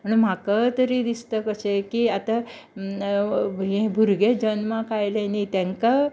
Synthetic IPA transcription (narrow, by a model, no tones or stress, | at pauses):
məɳm̤akət̪əɾid̪ist̪əkəsekiat̪a | ɦẽbʱuɾɡed͡ʒənmãkajlenit̪ẽŋka